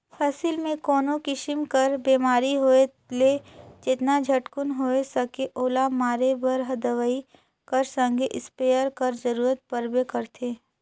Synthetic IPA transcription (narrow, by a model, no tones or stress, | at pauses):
pʰəsɪlmẽkɔːnõkɪʃɪmkəɾbeːmaːɾiɦoe | led͡ʒɪt̪nad͡ʒʱɐʈkʊnɦoːesɐkeʔoːlamaːɾebɐɾɦɐd̪əʋəi | kəɾsə̃ŋɡʱeʔɪspeːjəɾkɐɾzəɾuːɾət̪̚pəɾbekəɾt̪ʰeː